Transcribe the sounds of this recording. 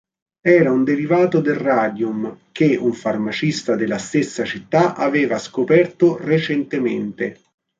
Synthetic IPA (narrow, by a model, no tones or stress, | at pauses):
ɛːɾaund̪eɾivaːt̪od̪elraːd̪jumk̟euɱfarmat͡ʃist̪ad̪elast̪esːat͡ʃit̪ːaʔavɛːvaskopɛrt̪oret͡ʃent̪emḛnt̪e